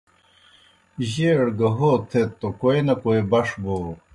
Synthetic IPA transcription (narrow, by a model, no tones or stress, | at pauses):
ʑeːɽɡɐɦoːt̪ʰet̪ːokojnɐkoebɐʂbo